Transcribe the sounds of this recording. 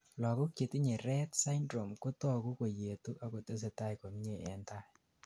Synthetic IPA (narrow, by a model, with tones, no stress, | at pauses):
lɔ˨kɔ˦ke˨ti˦ɲe˨ɾɛ˦tsa˦ndɾo˨mko˦tɔ˦ku˦ko˨je˨tu˦ʔa˨ko˨te˦s̬ɛ˨ta˦jko˨m˦ɲe˦˨ɛ̰˨nta˦˨